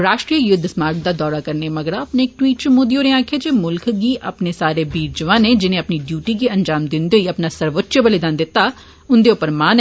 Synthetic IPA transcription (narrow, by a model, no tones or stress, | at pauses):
ɾaːʃʈɾijəjʊd̪ʱsmaːɾk̚d̪aːd̪ɔːɾaːkəɾnemɐɡəɾapneːk̚ʈwiːʈ̚t͡ʃmõːd̪ioːɾẽãːkʰeːd͡ʒemʊlkʰɡiːʔəpnesaːɾeːbiːɾd͡ʒəʋãːneːd͡ʒɪnẽːɐpniɖjuːʈiːɡiːɐnd͡ʒaːmd̪ɪnd̪eoiːɐpnaːsəɾʋətːʃəbəlid̪aːnd̪ɪt̪ːaː | ʊnd̪eʊpːəɾmaːn